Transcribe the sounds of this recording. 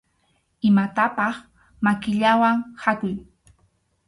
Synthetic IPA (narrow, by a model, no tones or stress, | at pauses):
ɪmat̪apɑχ | makɪʎawaŋhakʊj